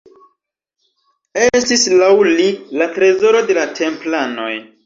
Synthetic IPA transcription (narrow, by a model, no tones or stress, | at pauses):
e̞stislawlilatɾe̞zo̞ɾo̞de̞latʰe̞mplano̞̰j